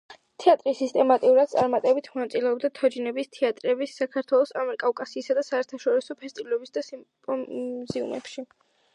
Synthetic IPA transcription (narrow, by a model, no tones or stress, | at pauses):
t̪ʰɛat̪ʼɾisist̪ʼɛmat̪ʼiuɾad̪̥̚t̪sʼaɾmat̪ʼɛbit̪ʰmɔnat̪sʼilɛɔbd̪at̪ʰɔd͡ʒinɛbist̪ʰɛat̪ʼɾɛbisːakʰaɾt̪ʰwɛlˠɔsamɛɾkʼavkʼasiːsad̪asaɛɾt̪ʰaʃɔɾisɔpʰɛst̪ʼivlɛbisd̪asimpʼɔzɛṵmɛ̰pʃi